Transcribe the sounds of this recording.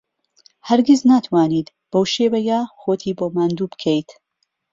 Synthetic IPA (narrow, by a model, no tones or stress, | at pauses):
hɐɾɡʲiznaːt̪ʰwaːniːt̪ | b̥ɐwʃeːwɐjaːxoːt̪ʰiːboːmaːnd̪uːbɨkʰejt̪